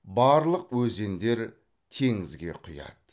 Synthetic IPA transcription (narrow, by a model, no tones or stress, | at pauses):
bɑɾlˠəq̚wɵze̞nd̪e̞ɾ | t̪ʰe̞ŋɪzɡʲe̞̰qʰʊjɑ̰d̪